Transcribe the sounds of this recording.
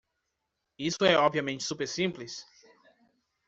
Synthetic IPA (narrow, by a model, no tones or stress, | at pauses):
isʊɛɔbviɐmẽnt͡ʃɪ̥supeɾsĩmplis